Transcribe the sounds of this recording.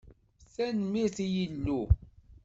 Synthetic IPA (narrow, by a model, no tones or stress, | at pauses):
θænmiθijilːu